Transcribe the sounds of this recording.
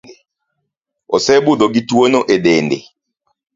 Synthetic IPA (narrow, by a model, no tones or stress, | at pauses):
osɛbud̪oɡitwonoʔedendḛ